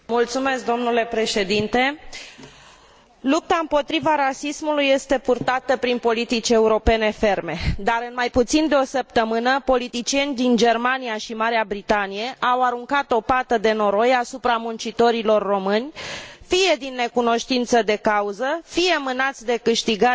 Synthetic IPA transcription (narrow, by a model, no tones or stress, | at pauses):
mult̪sume̞sk̚d̪o̞mnule̞pɾe̞ʃe̞d̪int̪e̞ | lup̚t̪aɨmpo̞t̪ɾivaɾasismulujːe̞st̪e̞purt̪at̪əpɾinpo̞lit̪it͡ʃʲe̞uɾo̞pe̞ne̞fe̞rme̞d̪aɾɨnmajput̪sind̪eo̞səp̚t̪əmɨnəpo̞lit̪it͡ʃie̞nʲd̪ind͡ʒe̞rmaniaʃimaɾeabɾit̪anije̞ʔawaɾuŋkat̪o̞pat̪əd̪e̞no̞ɾo̞jasupɾamunt͡ʃit̪o̞ɾilo̞rːo̞mɨnʲfije̞d̪inːe̞kuno̞ʃt̪int̪səd̪e̞kauzəfije̞mɨnat̪sʲd̪e̞kɨʃt̪iɡa